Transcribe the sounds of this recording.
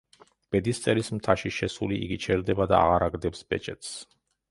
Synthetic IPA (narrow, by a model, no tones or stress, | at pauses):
b̥ɛd̪ist̪sʼɛlismt̪ʰaʃiʃɛsuliḭɡit͡ʃʰɛɾd̪ɛbad̪aaʁaɾaɡd̪ɛpsb̥ɛt͡ʃʼɛt̪ʰs